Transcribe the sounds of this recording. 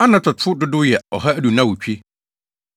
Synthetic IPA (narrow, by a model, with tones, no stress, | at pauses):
a˦nã˨tʰɔ˨tʰʊ˦dʊ˦dʊ˦jɛ˨ɔ˨ɦa˦æ˦du˨nã˦wʊ˨t͡ɕᶣi˦